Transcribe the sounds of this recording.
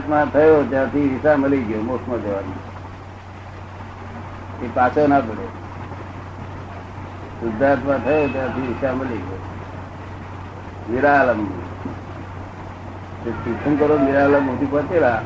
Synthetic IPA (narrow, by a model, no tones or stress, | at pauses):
t̪mãt̪ʰəjot̪jãːt̪ʰiisaməliɡjoːmosmãd͡ʒ̪eʋanḭ̃ | epasʰonapəɽje | sʊd̪ʱːat̪mãt̪ʰəjoːt̪jãːt̪ʰiɪsaməliɡjoː | niɾaləm | t̪esitʰənkəɾoːniɾaːləmut̪ipət͡ʃela